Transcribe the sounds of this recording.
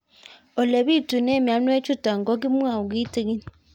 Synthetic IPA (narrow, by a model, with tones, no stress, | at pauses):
o˨le˨βi˦tu˨ne˦mja˨n˦e˦t͡ʃu˦ta˨ŋɡo˦ɡi˦mwa˦˨ɡi˦ti˦ɣi˦n